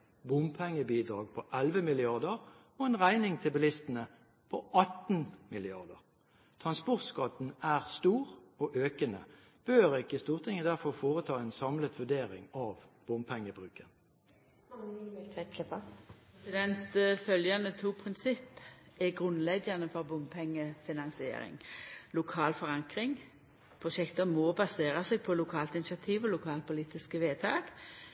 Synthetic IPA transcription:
bʊmpʰɛŋːəbiːd̪ʁɑːɡ̚pʰɔʔælʋəmɪlɪɑʁd̪əʁ | ɔɛnʁæɪnɪŋt̪ʰɪlbɛlɪst̪ənə | pʰɔʔɑt̪n̩mɪlɪɑʁd̪əʁ | t̪ʰʁɑnspɔʁt̪skɑt̪n̩æːʁst̪uːʁɔːʔøːkənə̰ | b̥øːʁɪkəst̪uːʁt̪ʰɪŋəd̪æʁfɔʁfoːʁət̪ʰɑːɛnsɑmlət̪ʋʉd̪eːʁɪ̰ŋɑʋb̥ʊmpʰɛŋːəbʁʉːkən | ɛlt̪ʰʋɛt̪ləpʰopɛsɪd̪ɛnt̪fœljɑnət̪ʰuːpʰʁɪnsɪpːɛɡʁʉnlɛɡɑnəfɔʁbʊmpʰɛŋːəfɪnɑnsɪḛːɾɪ̰ŋlʊkʰɑːlfɔʁɑŋkʁɪŋ | pʰʁʊʃɛkt̪əmɔbɑseːʁɑseːɡ̚pʰɔlʊkʰɑːlt̪ɪnɪsɑt̪ʰiːʋɔlʊkʰɑːl̚pʰʊliːt̪ɪskəʋeːt̪ʰɑːɡ̥

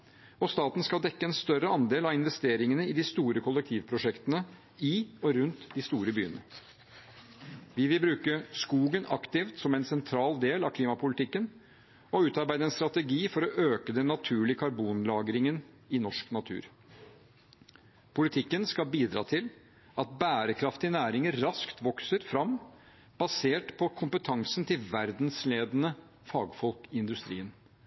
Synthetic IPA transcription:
ɔst̪ɑːt̪n̩skɑld̪ɛkːəɛnst̪œɾəɑnd̪eːlɑʋɪnʋɛst̪eːɾɪŋənəɪd̪ɪst̪uːɾəkʰʊlːɛk̚t̪ʰiːʋpʰɾʊʂɛkt̪ənə | ɪɔɾʉnt̪d̪ɪst̪uːɾəby̰ːənə̰ | ʋɪʋɪlbɾʉːkəskuːɡənʔɑ̰kt̪ɪft̪sɔmɛɪnsɛnt̪ʰɾɑːld̪eːlɑkʰliːmɑpʊlɪt̪ɪkːən | ɔʉːt̪ɑɾbæɪd̪əɛnst̪ɾɑt̪ɛɡiːfɔɾɔʔøːkəd̪ɛnːɑt̪ʰʉːɭɪəkʰɑɾbuːnlɑːɡɾɪŋən | ɪnɔʂknɑt̪ʰʉ̰ːɾ | pʰʊlɪt̪ʰɪkːənskɑlbiːd̪ɾɑ̰ːt̪ʰɪl | ɑt̪̚bæːɾəkʰɾɑft̪ɪɪnæːɾɪŋəɾɑskt̪ʋɔksəɾfɾɑm | b̥ɑseːʈpʰɔkʰʊmpət̪ʰɑŋsn̩t̪ʰɪlʋæɾd̪nsleːd̪ənə | fɑːɡfɔlkɪɪnd̪ʉst̪ɾḭːən

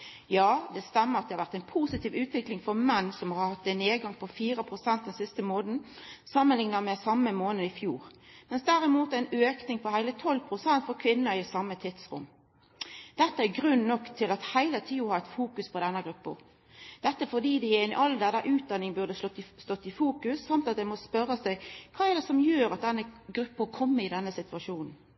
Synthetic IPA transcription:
jɑːd̪ɛst̪ɛmːəɑt̪̚d̪ɛhɑɾʋæʁt̪æɪnpʰuːsɪt̪iːʋʉːt̪ʋɪklɪŋfɔɾmɛnːsɔmhɑɾhɑt̪ːɛneːɡɑŋpʰɔfiːɾəpʰʁʊsɛnt̪̚d̪ɛnsɪst̪əmoːnn̩ | sɑmːənlɪŋnɑmɛsɑmːəmoːnəɪfjuːʁmɛnsd̪æɾɪmuːt̪æɛɪnøːknɪŋpʰɔhæɪlət̪ʰɔlpʰʁʊsɛnt̪fɔɾkʰʋɪnːəɪsɑmːət̪ʰɪt̪sʁʊ̰mː | d̪̥ɛt̪ːəæɡɾʉnːnɔkt̪ʰɪlɑt̪hæɪlət̪ʰiːʊhɑːʁɛt̪fuːkʉspʰɔd̪ɛnːəɡʁʉpːə̰ɾ | d̪̥ɛt̪ːəæfɔd̪iːd̪ɛjæɪn̰ʔɑld̪ɛd̪əʔʉːt̪̚d̪ɑnːɪŋbʉʁd̪əst̪ɔt̪ːɪfuːkʉsːɑmt̪ɑt̪̚d̪ɛmɔspœɾːəsæɪkʰɑːæʁd̪ɛsɔmjøːɾɑt̪̚d̪ɛnːəɡɾʉpːəɾkʰɔmːəɪd̪ɛnːəsɪt̪ʰʉɑʂuːnn̩

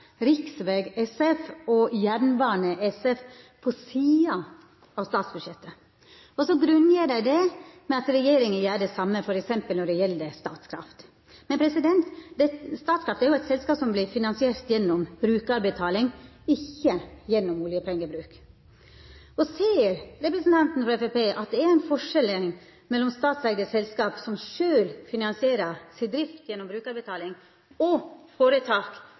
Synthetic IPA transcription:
ɾɪksʋeɡɛsɛfɔjæɾɳʋɑːɳəʔɛsɛf | pʰɔsiːɑ | ɑʋst̪ɑːt̪sbʉd̪ʂɛt̪ːə | ɔsɔɡɾʉnːjəɖæɪd̪ɛmɛɑt̪ɾɛjeːɾɪŋəjæːɖɛsɑmːəfɔɾɛksɛmpəlnɔɖɛjɛld̪ɛst̪ɑːt̪skʰɾɑ̰ft̪ | mɛnpʰɾɛsɪd̪ɛnt̪d̪ɛst̪ɑːt̪skɾɑft̪əæɾjʊæɪt̪sɛlskɑːpsɔmblɪfɪnɑnsɪeːɾt̪jɛnːɔmbɾʉːkɑɾbɛt̪ʰɑːlɪŋ | ɪçːəjɛnːɔmuːlɪjəpʰɛŋːəbɾʉːk | ɔseɪəɾɾɛpɾəsn̩t̪ɑnt̪n̩fɾɑɛfepeːʔɑt̪̚d̪ɛæɾæɪnfɔʂɛləŋ | mɛlːɔmst̪ɑːt̪sɛɡd̪əsɛlskɑːpsɔmʂøːlfɪnɑnsɪeːɾəsɪd̪ɾɪft̪jɛnːɔmbɾʉːkɑɾbɛɪt̪ʰɑːlɪŋ | ɔfoːɾət̪ʰɑːk

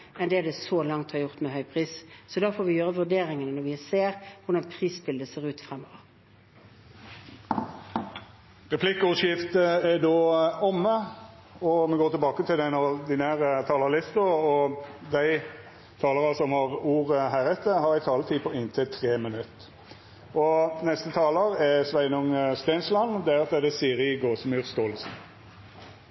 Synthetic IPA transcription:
ɛnd̪ɛd̪ɛsoːlɑŋt̪hɑɾʁjʊʁt̪mɛɦœʏpʰʁiːssɔd̪ɑːfoːɾʋɪjøːʁəʋʉd̪eːɾɪŋənənɔɾʋɪseːʁʋʊʁd̪ɑnpʰʁiːsbɪld̪əseːʁʉːt̪fɾɛmːoːʋəɾ | ʁɛpʰlɪkːəʉʃjɪft̪əɛd̪oːɔmːə | ɔmɛɡoːt̪ɪlbɑːkət̪ʰɪld̪æɪnɔd̪ɪnæːʁət̪ʰɑːlɑlɪst̪əɔd̪æɪ | t̪ʰɑːləʁɑsɔmhɑʁuːʁəɦæːʁɛt̪ʰːəhɑʁɪt̪ʰɑːlət̪ʰiːpʰɔɪnt̪ʰɪlt̪ʰʁeːmənʉt̪ː | ʔɔnɛst̪ət̪ʰɑːləʁɛsʋæɪnʊŋst̪æɪnslɑnd̪ɛæːʁɑt̪d̪ɛd̪ɛsiːɾɪɡoːsmyʁst̪oːləsn̩

